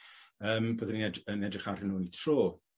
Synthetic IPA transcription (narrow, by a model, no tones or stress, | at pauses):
əːmboːðəninɛdənɛdrɪχaɾɪnuːnitʰroː